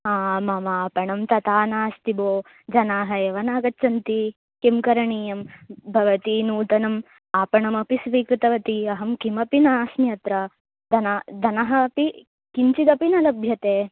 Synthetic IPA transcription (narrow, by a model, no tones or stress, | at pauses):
ɦaːmɐmaːpɐɳɐmt̪ɐt̪aːnaːst̪iboː | d͡ʒɐnaːɦɐeʋɐnaːɡɐːt͡ʃɐnt̪i | kimkɐɾɐɳiːjɐmbʱɐʋɐt̪inuːt̪ɐnɐm | aːpɐɳɐmɐpisʋiːkɾut̪ɐʋɐt̪iɐɦɐmkimɐpinaːsmjɐt̪ɾɐ | d̪ɐnad̪ɐnɐɦɐːpi | kiɲt͡ʃid̪ɐpinɐlɐbʱjɐt̪eː